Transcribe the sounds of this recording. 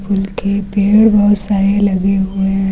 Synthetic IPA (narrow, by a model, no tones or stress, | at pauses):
pʊlkepeːɽbɐɦʊt̪saːɾelɐɡeɦʊeɦ